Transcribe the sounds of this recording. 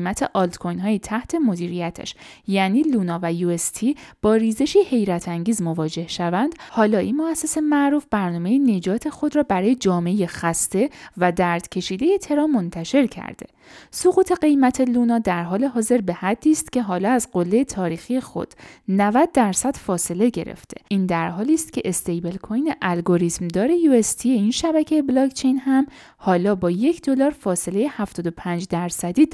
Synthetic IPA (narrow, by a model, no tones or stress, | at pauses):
mæt̪ʰe̞ʔɒlt̪kʰo̞jnɦɒːjit̪ʰæht̪ʰe̞mo̞d̪iːɾijæt̪ʰæ̰ʃjæniːluːnɒːvæjuest̪ʰib̥ɒːɾiːze̞ʃiːhe̞jɾæt̪ʰæŋɟiːzmo̞vɒːd͡ʒe̞hʃævænd̪̥hɒːlɒːʔinmoæsːe̞se̞mæʔɾuːfb̥æɾnɒːme̞jene̞d͡ʒɒːt̪ʰe̞xo̞d̪ɾɒːbæɾɒːjed͡ʒɒːmeejexæst̪e̞væd̪æɾd̪̥cʰe̞ʃiːd̪e̞je̞t̪ʰe̞ɾɒːmont̪ʰæʃe̞ɾcʰæ̰ɾd̪e̞̰ | soɣuːt̪ʰe̞ɢe̞jmæt̪ʰe̞luːnɒːd̪æɾɦɒːle̞ɦɒːze̞ɾbe̞hæd̪ːiːst̪cʲʰe̞ɦɒːlɒːæzɢo̞lːe̞jet̪ʰɒːɾiːxije̞xo̰d̪̥nævæd̪̚ːæɾsæd̪̥fɒːse̞le̞ɟe̞̰ɾḛft̪ʰeʔiːnd̪æɾɦɒːliːst̪cʰe̞ʔest̪ejbe̞lkʰo̞jneʔælɡo̞ɾiːt̪md̪ɒːɾe̞jue̞st̪ʰijeinʃæbæcʰejeblɒkt͡ʃʰe̞jnɦæm | hɒːlɒːbɒːje̞cʰd̪o̞lɒːɾfɒːse̞le̞je̞hæft̪ɒːd̪o̞pʰæːnd͡ʒd̪æɾsæd̪iː